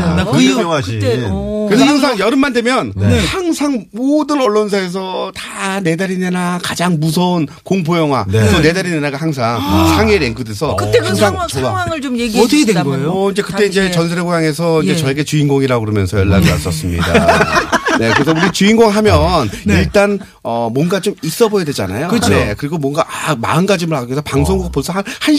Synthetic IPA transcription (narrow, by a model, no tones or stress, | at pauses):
ikɯɾes̬ʰʌhaŋs̬ʰaŋjʌɾɯmːandwe̞mjʌnhaŋsʰaŋmodɯnʌɭːons̬ʰaes̬ʰʌtane̞daɾinenakad͡ʑaŋmus̬ʰʌunkoŋp̬ʰojʌŋɦwa̰kʌne̞daɾinanaɡahaŋs̬ʰaŋsʰaŋeɾeŋɡʰɯdesʰʌkɯthaŋsʰaŋt͡ɕoɡaŋɯɭt͡ɕomjeɡiʌtʰʌkʰedeɡooind͡ʑe̞kɯt͈e̞ind͡ʑe̞t͡ɕʌns̬ʰeɾeɡojaŋe̞sʰʌind͡ʑet͡ɕʌeɡe̞t͡ɕuinɡoŋiɾaɡokɯɾomjʌnsʰʌjʌɭːa̰dɯa̰s͈ʌs͈ɯmɲḭda | ne̞kɯɾes̬ʰʌuɾiɡat͡ɕuinɡoŋɦamjʌniɭt͈an | ʌmwʌnɡat͡ɕomis͈ʌbojadwe̞d͡ʑa̰na̰jokt͡ɕʰekɯɾiɡomwʌnɡaʔama̰ɯnɡad͡ʑimɯɭaɡoɡesʰʌpaŋs̬ʰoŋɡuɡapoɭs͈ʰʌɦanhaɭ